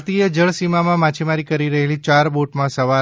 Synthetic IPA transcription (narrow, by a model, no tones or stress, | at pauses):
t̪ied͡ʒəɭsimamãmat͡ʃʰimaɾikəɾiɾəɦelit͡ʃaɾboʈmãsəʋa